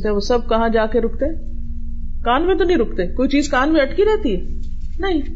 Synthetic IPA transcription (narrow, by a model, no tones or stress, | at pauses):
t̪ɦɛ̃ʋosɐb̚kɐɦãd͡ʒaːkeɾʊk̚t̪eɦɛ̃ː | kaːnmẽt̪̬onɐɦĩɾʊkt̪ekoːit͡ʃiːzkaːnmẽɐʈkiɾɛɦt̪iɦɛː | nɐɦĩ